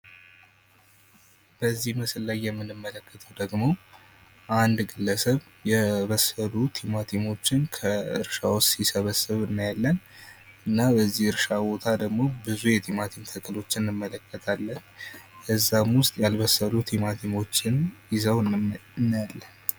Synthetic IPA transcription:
b̥əzːihmɨsɨlːajːɛmːɨnɨmːələkːət̪ʰəwd̪əɡmo̞ | ʔand̪ɡɨlːəsəβ | jɛβəsəlut̪ʰimat̪ʰimo̞t͡ʃːɪnkʰəɨ̰ɾʃawt͡ʃsisəβəsːɨβɨnːɨjalːənɨnːabəzːihɨɾʃabo̞t̪ʰad̪əɡmo̞bɨzujɛt̪ʰimat̪ʰimt̪ʰəkʰʼɨlo̞t͡ʃːɨnːɨmːələkʰːət̪ʰalːənkəzːamwʊst̪ʼjalβəsːəlut̪ʰimat̪ʰimo̞t͡ʃːɪnjɪzəwnːjalːən

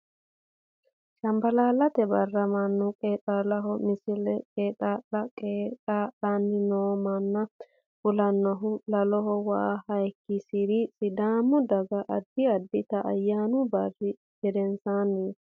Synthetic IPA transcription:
ʃɐmbɐlaːlɐt̪ɛbɐrːɐmɐnːʊkʼeːt̪ʼalɐɦɔmɪsɪlɛkʼeːt̪ʼaːlɐkʼeːtaːlanːɪnoːmɐnːɐ | fʊlɐnːɔɦʊlɐlɔɦɔwɐ̰ʔahɐjkːɪsɪɾɪsʼɪd̪aːmʊd̪ɐɡɐʔɐd̪ːɪɐd̪ːɪt̪ɐʔːjːaːnʊbɐrːɪ | ɡɛd̪ɛnsaːnːi

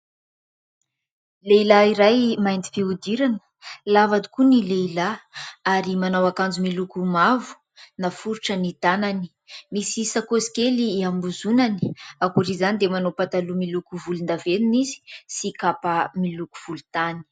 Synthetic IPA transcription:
leilaiɾajmajnt̪i̥fiud̪iɾanə̥ | lavad̪i̥kunileilaaɾimanawakand͡zumilukumavu̥ | nafuɾuʈ͡ʂənit̪anani̥ | misisakosi̥keliambuzunaniakuɾizanid̪emanopat̪alumilukuvulund̪avenunizi̥sikapəmiluku̥v̥ulut̪ani̥

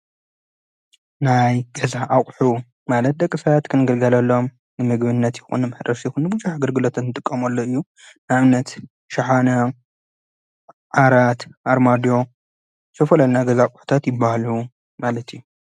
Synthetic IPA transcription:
najɡɐzaʔakʼħu | malɐt̪̚d̪ɐkʼːɨfat̪kʰɨnɨɡɨlɡɐlɐlːo̞m | nɨmɨɡbɨnːɐt̪jɪxṵnːɨmɐħd̪ɐsjɪxunːɨbuzuħaɡɐɾɡɨlot̪ʰɐnːɨt̪ʼɨkʼːɐmɐlːoɨjːu | nɨaβnɐt̪ | ʃaħana | ʕaɾat̪ʔaɾmad̪jo̞ | sʰɐfɐlɐlnaɡɐzakʼħu̥t̪ʰat̪jɪbːahlu | malɐt̪ju

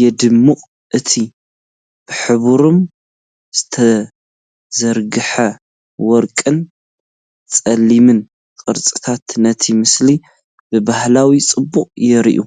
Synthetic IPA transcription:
jɛd̪ɨmːɨχʼ | ʔɨt̪ʰi | b̥ɨħɨβuɾom | z̥ɨt̪ʰɐ | zɐɾɡɨħɐ | wɔɾkʼɨn | t͡sʼɐlːimɨn | kʼɨɾt͡sʼɨt̪ʰat̪nɐt̪ʰimɨsli | bɨbahlawit͡sʼɨbːuqʼjɛɾḭʔṵ

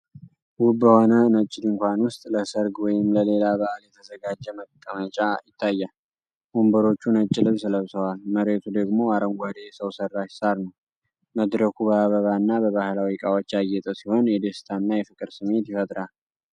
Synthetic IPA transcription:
wʊbːəho̞nənət͡ʃʼːɪd̪ɨŋkʷanwʊst̪ʼləsəɾɡwɔjɪmləle̞laβaʔaljɛt̪ʰəzəɡad͡ʒːɛməkʼːəmət͡ʃʼajɪt̪ʰːajːal | ʔombəɾo̞t͡ʃːunət͡ʃʼːɪlɨβsləβsəwalməɾet̪ʰud̪əɡmo̞aɾəŋɡʷad̪ejsəwsərːaʃsaɾnəw | məd̪ɾəkʰubəaβəβanːabəβahlawikʼawot͡ʃːajːɛt̪ʼəsiho̞njɛd̪est̪ʰanːajɛfɨkʼɨɾsɨmːe̞t̪jɛfət̪ʼɾal

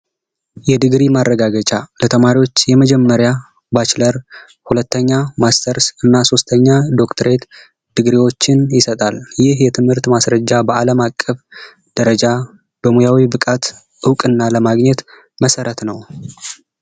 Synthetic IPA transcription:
jɛd̪ɨɡɾimarːəɡaɡət͡ʃʼalət̪ʰəmaɾiwo̞t͡ʃːjɛməd͡ʒɛmːəɾja | bat͡ʃləɾ | hulət̪ʰːəɲːamast̪ʰəɾsɨnːaso̞st̪ʰəɲːad̪o̞kt̪ʰəɾe̞t̪ | d̪̥ɨɡɾiwo̞t͡ʃːɪnjɪsət̪ʼaljɪhjɛt̪ʰɨmhɨɾt̪masɾəd͡ʒːabəʔaləmakʼːəf | d̪̥əɾəd͡ʒa | b̥əmujawibɨkʼat̪ | ɨwkʼɨnːaləmaɡɲɛt̪ | məsəɾət̪nəw

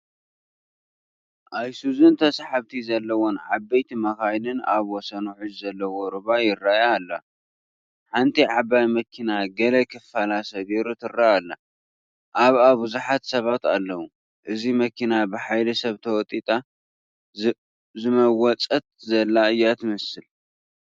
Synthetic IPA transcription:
ʔajsuzɨnt̪ʰɐsħaβt̪ʰizɐlːɐwonʕabɐjt̪ʰimɐxajlɨnaβwɔsɐnuħɨd͡ʒzɐlːɐwoɾɨβajɪrːajaːlːɐ | ħant̪ʰiʕaβajmɐkʰinaɡɐlɐkʰɨfalasɐɡiɾut̪ʰɨɾːaːlːa | ʔaβaβbɨzuħat̪sɐβat̪alːɐwu | ʔɨzimɐkʰinabɨħajlɐsɐβt̪ʰɐwɔt̪ʼit̪ʼa | zɨmɐwɔt͡sʼɐt̪̚zɐlːaɨjːat̪ʰɨmɐsɨl

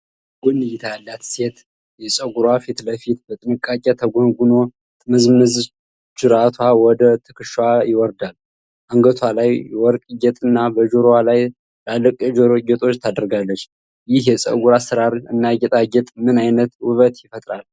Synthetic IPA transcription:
ɡunːɨjɪt̪ʰajalːat̪se̞t̪ | jɛsʼəɡuɾwafit̪ləfit̪bət̪ʼɨnɨkʼːakʼɛt̪ʰəɡʷonɡuno̞ | t̪ʼməzmɨz | t͡ʃɨɾat̪ʰwawɔd̪ət̪ʰɨkʰɨʃwajɪwɔɾd̪al | ʔaŋɡət̪ʰwalajwɔɾkʼijɛt̪ʼɨnːabəd͡ʒoɾwalaj | lalːəkʼəd͡ʒoɡɛt̪ʼo̞t͡ʃːt̪ʰad̪əɾɡalːət͡ʃː | jɪhjɛsʼə̰ɡuɾasɨɾaɾɨnːaɡɛt̪ʼaɡɛt̪ʼmɨnajnət̪wʊβət̪jɪfət̪ʼɾal

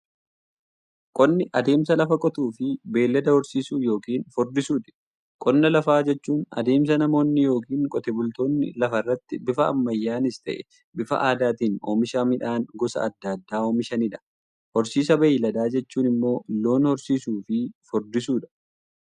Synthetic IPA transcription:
kʼɔnːɪʔɐd̪e̞ːmsɐlɐfɐkʼɔt̪uːfɪbe̞ːlːɐd̪ɐhɔɾsiːsuːjo̞ːkiːnfɔɾd̪ɪsuːᶑ̪ɪ̥ | kʼɔnːɐlɐfaːd͡ʒɛt͡ʃːuːnɐ̰d̪e̞ːms̬ɐnɐmo̞ːnːɪjo̞ːkiːŋkʼɔt̪ɛbʊlt̪o̞ːnːɪ̰lɐfɐrːɐt̪ːɪbɪfɐɐ̰mːɐjːaːnɪst̪ɐ̰ʔɛ | bɪfɐ̰ʔaːd̪aːt̪iːnoːmɪʃaːmɪᶑaːnɡɔsɐ̰ɐd̪ːɐd̪ːaːoːmɪʃɐnɪᶑɐ̥ | hɔɾsiːs̬ɐbɐjɪːlɐd̪aːd͡ʒɛt͡ʃːuːnɪmːo̞ːlːo̞ːnhɔɾsiːsuːfɪfɔɾd̪ɪsuːᶑɐ̥

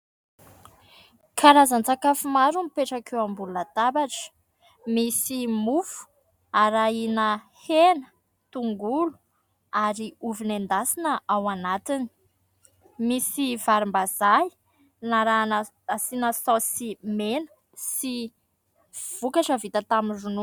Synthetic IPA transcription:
kʰaɾazant͡sakafumaɾumipeʈ͡ʂakewambulunat̪abaʈ͡ʂə̥ | misimufu̥ | aɾainə | henə̥ | t̪uŋɡulu̥ | aɾiuvinend̪asinəʔawanat̪ini̥ | misivaɾimbazaj | naɾan | asinəsawsimenə̥ | si | v̥ukaʈ͡ʂəvit̪ət̪amirunu

